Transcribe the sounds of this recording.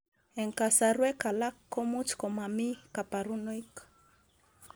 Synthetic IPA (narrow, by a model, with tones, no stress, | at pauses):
ɛ˨ŋka˨saɾwɛ˦ka˨la˦kːo˦mu˦t͡ʃkɔ˨ma˨mi˦ka˨pa˨ɾu˦nɔ˦ik